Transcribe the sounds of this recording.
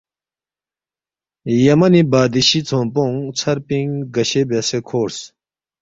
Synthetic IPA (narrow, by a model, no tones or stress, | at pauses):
jamanibaːd̪iɕit͡sʰoŋpɔŋt͡sʰarpiŋɡaɕebesekʰoɹs